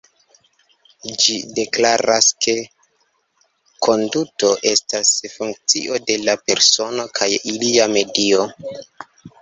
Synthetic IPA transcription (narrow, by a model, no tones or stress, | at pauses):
d͡ʒide̞klaɾaske̞ | kʰo̞nduto̞ʔe̞stasfuŋk̚t͡sḭʔo̞de̞lape̞ɾso̞no̞kʰajiliame̞dio̞